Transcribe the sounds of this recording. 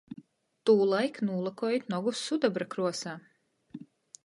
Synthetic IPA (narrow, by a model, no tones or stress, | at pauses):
t̪uːlˠajknuːlˠakɔːjit̪nɔɡusːud̪abɾakɾuɔsaː